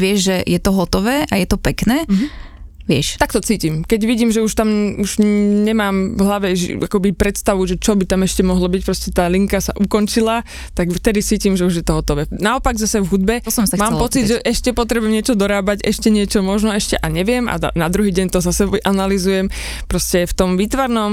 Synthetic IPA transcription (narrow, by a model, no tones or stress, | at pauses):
ʋɪɛʒʒɛjɛt̪ɔɦɔt̪ɔʋɛːʔajɛt̪ɔpɛknɛː | ʋɪɛʃt̪akt̪ɔt͡siːcimkɛɟʋiɟiːmʒɛuʃt̪amuʒɲɛmaːmvɦlaʋɛʒakɔbipɾɛt̪st̪aʋuʒɛt͡ʃɔbit̪amɛʃcɛmɔɦlɔbic̚pɾɔscɛt̪aːliŋkasa̰ʔukɔnt͡ʃila | t̪aɡft̪ɛd̪it͡siːcimʒɛuʒjɛt̪ɔɦɔt̪ɔʋɛːnaɔpaɡzasɛvɦud̪̚bɛsɔmsamaːmɛlpɔt͡sid̪ʒɛʔɛʃcɛpɔt̪ɾɛbuʊɛmɲɪɛt͡ʃɔd̪ɔɾaːbaɟɛʃcɛɲɪɛt͡ʃɔmɔʒnɔɛʃcɛʔaɲɛʋɪɛma̰nad̪ɾuɦiːɟɛɲt̪ɔzasɛʔanalizujɛm | pɾɔscɛft̪ɔmʋiːt̪ʋaɾnɔm